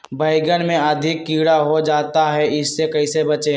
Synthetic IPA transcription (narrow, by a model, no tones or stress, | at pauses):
bʱəːɪɡənmẽɐd̪ʱɪkːiːɽaɦod͡ʒaːt̪aɦɛɪsːekɐisebɐt͡ʃe